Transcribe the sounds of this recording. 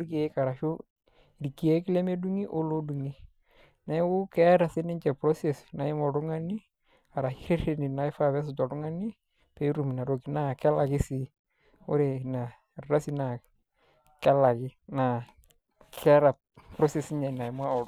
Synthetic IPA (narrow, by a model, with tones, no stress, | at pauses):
ʊ˦ɾke˨˦ka˨ɾa˨ʃo˦˨ | ɾi˨ki˨ɛ˦kɪ˦lɛ˦me˦du˦ŋi˦ʔo˦lo˦du˨ŋi˦ | na˦wʊ˦kɛ˦ɾa˨sɪ˦nɪ˦ɲt͡ʃɛ˨pɾɔ˦se˨sna˨ɪ˦mɔ˨dʊ˦ŋa˦ni˦ | a˨ɾa˨hi˦ɾɪ˦ɾe˦nɪ˨na˨˦ɪ˦fa˦βɛ˦s̬ʊ˨tɔ˨dʊ˦ŋa˦ni˦ | pe˦ɾu˦˨m˨na˨ɾo˨ki˨na˦kɛ˦la˨kɪ˦si˨˦ | ʊ̰˦ɾe˨na˨ | ɾa˦si˨na˨ | kɛ˦la˨kɪ˦na˨ | kʰɛ˦ɾa˨ | pɾɔ˦se˨sɪ˦ɲa˨na˨ɪ˨ma˦ɔ˨ʊ˦